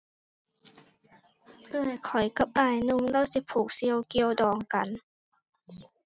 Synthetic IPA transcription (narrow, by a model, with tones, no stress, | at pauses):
ʔɯː˧˩jkʰɔ˨˩jka˧˦p̚ʔaː˧˩jnu˧ŋnɔː˧˥˨si˧˦pʰuː˨˩k̚si˧ə˧wki˧əwdɔː˨˩ŋka˨˦n